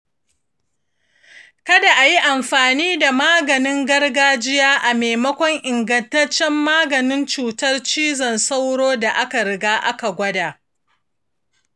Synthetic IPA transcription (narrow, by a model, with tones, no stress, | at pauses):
kɐ˦da˨ʔa˨ji˦ʔa˨mɸaː˨niː˦da˨maː˦ɡɐ˨nɪ˦ŋɡɐ˦rɡaː˦d͡ʒɪ˦jaː˦ʔa˨meː˨mɐ˦kʷɔ˦ŋʔɪ˨ŋɡɐ˨ntɐ˦t͡ʃːɛ˦mːaː˦ɡɐ˨nɪ˦nt͡ʃuː˨tɐ˦rt͡ʃiː˦zɐ˨nsa˦wɽoː˦da˨ʔa˦ka˨ɾɪ˨ɡaː˦ʔa˦ka˨ɡʷɐ˦daː˨